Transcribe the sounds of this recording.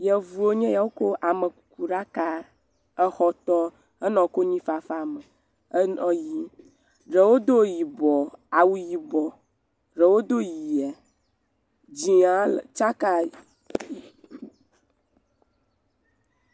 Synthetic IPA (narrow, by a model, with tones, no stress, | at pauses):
jɛ˨vu˨o˦ɲɛ̃˦ja˨wo˦ko˦ʔa˨mə̃˨u˨ku˨ɖa˦ka˦ | ɛ˦xɔ˦t̪ɔ˦ | ə˦nɔ̃˨ko˦ɲĩ˦fa˨fa˦˨mə˨˦ | nɔ̃˨ji˦ | ɖə˨wo˦d̪o˦ji˨bɔ˨a˨wu˨ji˨bɔ˨ | ɖə˨wo˦d̪o˦ji˨a˨ | d͡ʑi˨˦ã˨˦lt͡ʃa˦ka˦˨